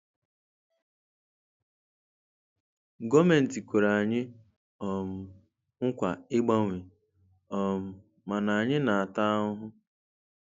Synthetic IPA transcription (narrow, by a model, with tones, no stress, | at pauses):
ɡɔ˦me˨n̩˨ti˨kʷe˨ɾa˨a˨ɲɪ˦ | ɔ˨m̩˨ | ŋ̩˦kʷa˨ɪ˦ɡ͡ba˦ŋʷi˨ | ɔ˨m̩˨ | ma˨na˨a˨ɲɪ˦na˨a˨ta˦ʊ˦ɦʊ˦